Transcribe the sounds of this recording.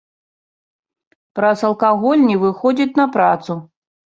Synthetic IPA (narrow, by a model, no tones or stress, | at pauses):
pɾɐsɐlˠkaɣɔlʲnʲivɨxɔd͡zʲit͡sʲnɐpɾat̪su